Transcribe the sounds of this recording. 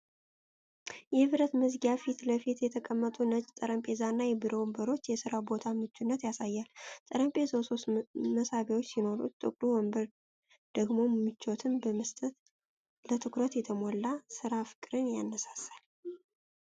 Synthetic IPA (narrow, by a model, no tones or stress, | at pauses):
jɛβɾət̪mɨzɡafit̪ləfit̪jɛt̪ʰəkʼəmːət̪ʼunət͡ʃʼt̪ʼəɾəmpʼe̞zanːajɛbiɾo̞wmbəɾo̞t͡ʃːjɛsɨɾawbo̞t̪ʰamɨt͡ʃːunːət̪jasajːalt̪ʼəɾəmpʼe̞zowsost̪məsaβewot͡ʃːsino̞ɾṵt̪t̪ʼɨ̰kʼluwɔmbəɾ | d̪̥əɡmo̞mːɨt͡ʃːot̪ʰɨmbəmɨst̪ʼət̪ | lət̪ʰɨkʰɾət̪jɛt̪ʰəmolːasɨɾafɨ̥kʼɨɾɨnjanːəsḁsal